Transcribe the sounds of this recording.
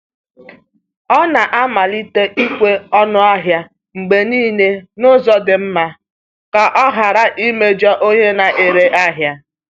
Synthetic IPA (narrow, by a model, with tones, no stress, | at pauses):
ɔ˦na˨ʔa˦ma˨li˦te˦ʔi˦kʷe˦ɔ˦nʊ˦a˦ɦja˦ | ŋ͡m̩˨ɡ͡be˨niː˦ne˦nʊ˦zɔ˦dɪ˨m̩˦ma˦ | ka˨ʔɔ˦ɦa˨ɾa˦ʔi˦me˦d͡ʒɔ˦ʔo˦ɲe˦na˨ʔe˨ɾe˨ʔa˦ɦja˦